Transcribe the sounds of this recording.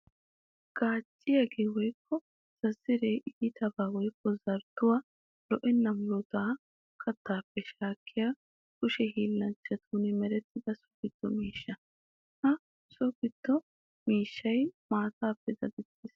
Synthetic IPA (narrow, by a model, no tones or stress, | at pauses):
ɡ̥aːt͡ʃʼːɪjɐɡeːwɔjkːɔ | z̥ɐzːɪɾeːʔiːt̪ʰɐbaːwɔjkːɔzɐɾd̪ʊwaː | lɔʔɛnːɐmʊlʊt̪aː | kʰɐt̪ːaːpːɛʃaːkʰːɪjaː | kʊʃɛhiːlːɐnt͡ʃːɐt̪ʰuːnɪmɛɾɛt̪ːɪd̪ɐsɔ̥kɪd̪ːɔmiːʃːɐ | hɐ | sɔkɪd̪̥ːɔ | miːʃːɐjmaːt̪aːpːɛd̪ɐd̪ɛt̪ːɪs